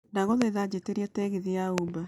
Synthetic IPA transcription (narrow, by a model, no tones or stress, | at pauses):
ndaɣɔðeðad͡ʑeteɾiatɛɣiðiauba